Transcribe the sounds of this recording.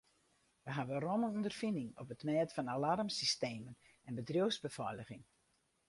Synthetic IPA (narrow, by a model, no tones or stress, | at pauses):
ʋəɦavənrɔmənɔndərfindɪŋɔ̰pətmɛːtfɔnalarmsisteːmən | ɛnbədrjowzbəfɔləɣɪŋ